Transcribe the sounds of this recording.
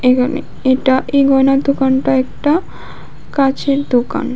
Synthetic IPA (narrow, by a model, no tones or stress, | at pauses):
ekʰanḛ | eʈaʔeɡɔjnaɾd̪okanʈaɛk̚ʈa | kat͡ɕʰeɾd̪oka̰n